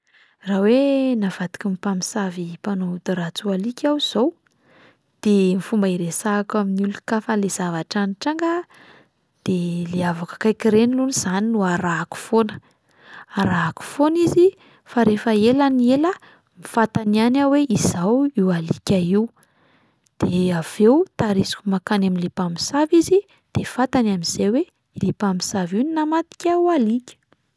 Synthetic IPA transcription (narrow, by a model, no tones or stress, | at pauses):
rawenav̥ad̪i̥kimipamisavipanod̪uɾat͡sualikʲawz̥ow | d̪̥emifumbaiɾesaːkaminulukafalez̥avaʈ͡ʂaniʈ͡ʂaŋɡə | d̪̥eleavakə̥kajkiɾeniluniz̥aninuaɾaku̥fonə̥ | aɾaku̥fonizi | faɾefəelanielə | mifat̪anianaweʔizawiwalikʲaiw | d̪̥eav̥ewt̪aɾisi̥kumakanamilipami̥savizi | d̪̥efat̪anamiz̥ewe | lipampi̥savininamat̪i̥kʲaualikʲə̥